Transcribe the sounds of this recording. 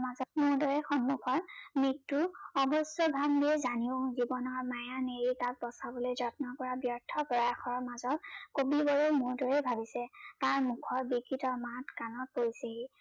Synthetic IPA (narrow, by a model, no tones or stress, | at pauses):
mazɔmʊɹdɔɹɛxɔnmukʰɔɹmitːuɔbɔsjɔbʱambiɛzaniʊ̃zibɔnɔɹmajaneɹitat̚bɔsabolozɔt̚nɔpɔɹabjɔɹtʰɔpɔɹajaxɔɹmazɔt̚kobibɔɹomʊɹdɔɹɛbʱabisɛtaɹmukʰɔɹbikʰːitɔmatkanɔt̚poɹiseɦi